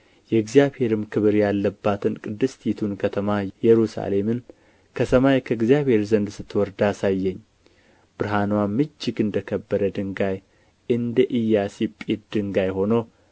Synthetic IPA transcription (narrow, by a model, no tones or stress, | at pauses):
jɛɡzijaβhe̞ɾɨmkʰɨβɨɾjalːəbːat̪ʰɨnkʼɨd̪ːɨst̪ʰit̪ʰunkʰət̪ʰəmajɛɾusa̰le̞mɨn | kʰəsəmajkʰəɨɡzjaβhe̞ɾzənd̪sɨt̪ːwɔɾd̪asajːɛɲː | b̥ɨɾɦanwamɨd͡ʒːɪɡɨnd̪əkʰəbːəɾəd̪ɨŋɡaj | ʔɨnd̪əʔɨjːasipʼit̪̚d̪ɨŋɡajho̞now